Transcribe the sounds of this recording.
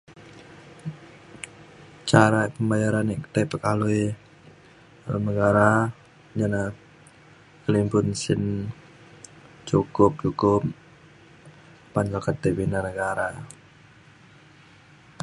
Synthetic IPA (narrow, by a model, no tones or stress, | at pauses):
t͡ʃaɾapəmbajaɾanikt̪apəkalui | nəɡaɾa | d͡ʒana | kəlimpʊnsɪn | t͡ʃukʊp̚t͡ʃukʊp̚ | pand͡ʒakat̪ebinanəɡaɾa